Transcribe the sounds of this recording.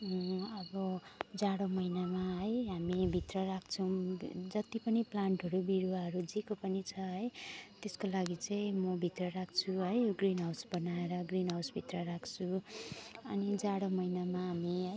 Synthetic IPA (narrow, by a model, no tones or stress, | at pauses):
ʌbʌd͡zaɽomʌjnamaɦʌjɦamibʱit̪rʌɾakʰt͡sʰʌw̃d͡zʌt̪ipʌniplaɳʈɦʌɾubiɾuaɦʌɾud͡zikopʌnit͡sʰʌɦʌjt̪eskolaɡit͡saĩmʌbʱit̪rʌɾak̚ʰt͡sʰuɦʌjɡrinɦawsbʌnaeɾʌɡrinɦawsbʱit̪rʌɾakʰt͡sʰu | ʌnid͡zaɽomʌjnamaɦamiɦʌj